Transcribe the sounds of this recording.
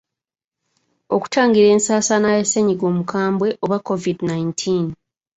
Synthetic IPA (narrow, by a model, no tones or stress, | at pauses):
o̞ku̥tʰaːŋɡiɾe̞ːnsaːsanajeseɲiɡo̞ːmukʰaːmbwe̞ʔo̞βwakʰːo̞vidnajintʰiːn